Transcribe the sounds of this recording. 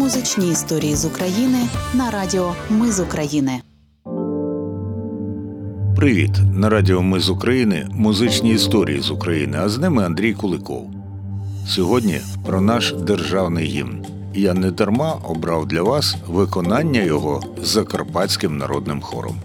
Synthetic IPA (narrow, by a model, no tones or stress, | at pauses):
mʊzɪt͡ʃnʲiːst̪ɔɾʲijizʊkɾɐjinɪnɐɾɑdʲiɔmɪzʊkɾɐjinɪ | pɾɪʋʲḭt̪nɐɾɑdʲiɔmɪzʊkɾɐjinɪ̰mʊzɪt͡ʃnʲiːst̪ɔɾʲḭjḭzʊkɾɐjḭnɪɐznɪmɪɐnd̪ɾʲijkʊlˠɪkɔ̰w | sʲɔɦɔdʲnʲḭ | pɾɔnɑʃd̪erʒɑwnɪjɦʲḭmn | ijanɛd̪ɐrmɑʔɔbɾɑwd̪lʲɐʋɑsʋɪkɔnɑnʲːɐjɔɦɔ | zːɐkɐrpɑtʲt͡sʲkɪmnɐ̰ɾɔd̪̚nɪmxɔ̰ɾɔ̰m